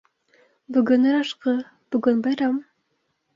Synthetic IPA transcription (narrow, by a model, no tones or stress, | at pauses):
bɵɡɵnɘ̆ɾɑʃqɤ | b̥ɵɡɵnbɑjɾɑm